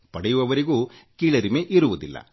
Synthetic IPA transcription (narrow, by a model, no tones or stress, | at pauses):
pɐɽɛjuʋɐʋɐɾiɡuː | kiːɭɐɾimeʔiɾuʋud̪ilːɐ̰